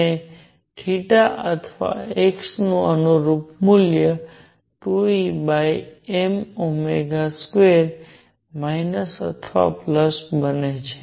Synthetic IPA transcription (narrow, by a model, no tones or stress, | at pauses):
e | kʰiʈaʔət̪ʰʋa̰eksnũənuɾupmuljə | ʈuibajemomeɡaskʋeɾ | mainəsə̰t̪ʰʋa̰pləsbənet͡ʃʰe̥